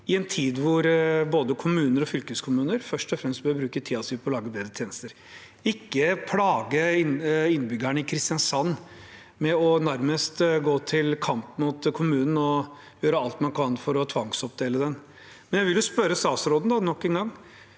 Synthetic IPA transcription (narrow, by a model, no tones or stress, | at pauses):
ɪɛnt̪ʰiːd̪ʋʊɾboːd̪əkʰʊmʉːnəɾɔfʏlkəskʰʊmʉːnəɾfœʂʈɔfɾɛmst̪̚bœːɾbɾʉːkət̪ʰiːɑsɪpʰɔlɑːɡəbeːd̪ɾət̪ʰeːnəst̪əɾ | ɪkːəpʰlɑːɡəɪnɪnːbʏɡæɳəɪkʰɾɪst̪ɪɑnsɑnː | mɛɔnæɾməst̪ɡoːt̪ʰɪlkʰɑmpmʊt̪kʰʊmʉːnn̩ɔ | jøːɾəɑlt̪mɑnkʰɑnfɔɾɔt̪ʰʋɑŋsɔp̚d̪eːləd̪ɛn | mɛnjæɪʋɪljʊspœɾəst̪ɑːsɾoːd̪nd̪ɑnɔkːɛnɡɑŋː